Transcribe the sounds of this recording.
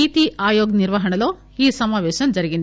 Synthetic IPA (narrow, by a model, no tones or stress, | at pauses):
iːt̪iʔaːjoːɡniɾʋɐɦɐɳɐloː | iːsɐmaːʋɛːʃɐmd͡ʒɐɾiɡind̪